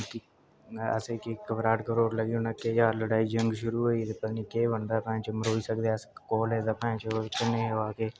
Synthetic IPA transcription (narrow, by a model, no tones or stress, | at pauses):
ki | ə̰seːkeːkːəʋɾaːʈkəɾoːɾləɡiːʊnəkːeːd͡ʒaːɾləɽaːiːd͡ʒəŋɡʃʊɾuːɦoːiːt̪eːpəd̪niːkeːbənd̪aːpɛ̃ːt͡ʃəməɾoːiːsəkd̪easkoːleːd̪aːpɛ̃t͡ʃk̪ɪneːɦʋaːkeː